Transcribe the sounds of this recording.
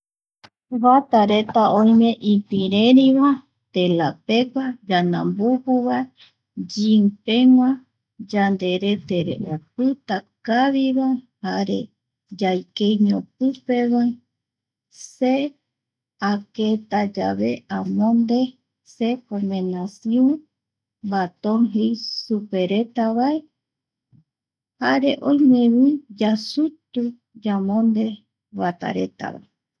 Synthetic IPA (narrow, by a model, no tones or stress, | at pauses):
βat̪aɾet̪aõjmẽ̞ʔipiɾeɾiβa | t̪elapekʷad͡ʒanãmbupuβae | d͡ʒimpeŋʷã | d͡ʒand̪eɾe̞t̪eɾḛʔop̚ɨt̪akaβiβahaɾḛ | d͡ʒajkejɲõp̚ɨpeβai | se | aket̪ad͡ʒaβe̞ʔãmõnd̪e̞ | sepomẽnasiõ | bat̪õŋɦejsupe̞ɾe̞t̪aβae | haɾe̞ʔõjmẽβĩd͡ʒasut̪u | d͡ʒamõnd̪e̞ | wat̪a̰ɾe̞̰t̪a̰βa̰e